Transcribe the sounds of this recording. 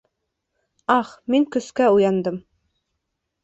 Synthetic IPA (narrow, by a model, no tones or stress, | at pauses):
ɑχmiŋkɵ̆skæujɑnd̪ɤm